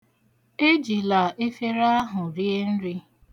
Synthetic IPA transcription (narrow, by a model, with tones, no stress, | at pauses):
e˦d͡ʒi˨la˨ʔe˦fe˦ɾa˦a˦ɦʊ˨ɾi˦e˦n̩˦ɾi˦